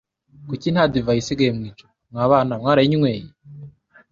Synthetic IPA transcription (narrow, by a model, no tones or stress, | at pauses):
kucin̥hadivajisiɡajemŋiːt͡ʃo̥ | mŋaːβaːnamŋaːɾajiɲiŋweːje